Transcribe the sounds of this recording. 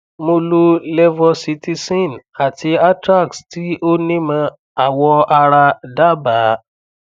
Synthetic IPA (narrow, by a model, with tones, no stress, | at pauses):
mo˧lo˧lɛ˦vɔ˧si˧˦ti˦˧sĩ˦˨na˨ti˧a˦tɾa˦˨ksti˦o˦nĩ˦mã˧ | a˨wɔ˧a˧ɾa˧da˦˨ba˨˦